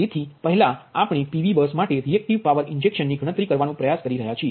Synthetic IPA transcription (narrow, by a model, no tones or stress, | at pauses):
t̪et̪ʰipəɦlaapɽ̃ipiʋibəsmaʈeɾiɛk̚ʈiʋpaʋəɾɪɲd͡ʒekʃənːiɡʱəɽət̪ɾikəɾʋanũpɾəjaskəɾiɾəɦjat͡ʃʰie